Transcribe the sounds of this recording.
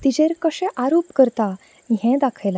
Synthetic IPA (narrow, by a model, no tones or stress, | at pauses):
t̪id͡ʑeɾkəɕɛ̃ʔaɾopkəɾt̪a | ɦɛ̃d̪akʰajla